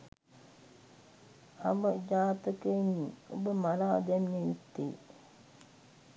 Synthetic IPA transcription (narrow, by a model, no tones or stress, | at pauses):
aʋəd͡ʒaːt̪əkenːiːo̰bəmalaːd̪ɛmnəit̪ːḛː